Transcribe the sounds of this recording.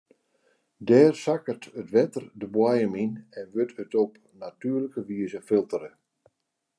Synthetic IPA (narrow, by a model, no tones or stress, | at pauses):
dɛːrsakərtətʋɛtərdəbwajəminɛnʋøthətɔp | natyːərləkəʋiəzəfɪlˠtəɾə